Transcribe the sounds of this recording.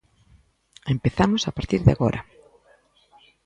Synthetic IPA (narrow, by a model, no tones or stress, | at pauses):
empeθamosapaɾt̪iɾðɪa̰ɣoɾʔɐ